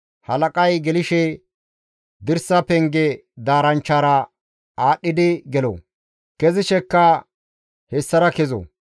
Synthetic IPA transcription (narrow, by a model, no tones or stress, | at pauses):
hɐlɐkʼɐjɡɛlɪʃɛ | d̪ɪɾsɐpɛŋɡɛd̪aːɾɐnt͡ʃːaːɾɐ | aːɗːɪd̪ɪɡɛlo̰ | kɛzɪʃɛkːɐ | hɛsːɐɾɐkɛzo̰